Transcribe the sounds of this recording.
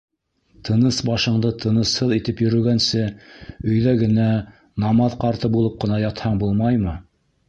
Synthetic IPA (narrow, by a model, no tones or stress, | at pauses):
t̪ʰɤ̆nɤsbɑʃɤ̆ɴd̪ɤt̪ʰɤ̆nɤ̆shɤðit̪ɘpjɵ̆ɾɵ̆ɡænsɘɵ̆jðæɡɘ̆næ | nɑmɑðqɑɾt̪ɤbulˠɤp̚qɤ̆nɑjɑt̪hɑɴbulˠmɑjmɤ